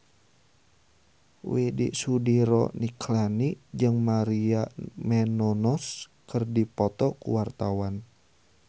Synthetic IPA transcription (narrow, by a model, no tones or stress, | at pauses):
widḭʔsudiɾɔ̰nikʰlanid͡ʒɨŋmaɾiamɛnɔnɔs | kɨrdipɔt̪ɔkṵwart̪awan